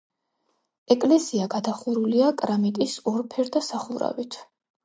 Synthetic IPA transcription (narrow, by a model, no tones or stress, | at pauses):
ɛkʼlɛsiaɡad̪aχuɾuliakʼɾamit̪ʼisɔɾpʰɛɾd̪asaχuɾa̰vit̪ʰ